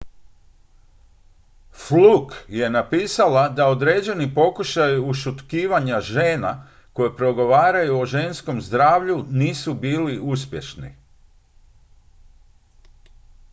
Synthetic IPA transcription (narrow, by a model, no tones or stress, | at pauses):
flukje̞napiːsalad̪aod̪ɾe̞ːd͡ʑe̞nipo̞kuʃajiuʃut̪kiːʋaɲaʒe̞ːna | ko̞jepɾo̞ɡo̞ʋaːɾajuo̞ʒe̞nsko̞mzd̪ɾaːʋʎuniːsubiːliʔuspje̞ʃnḭ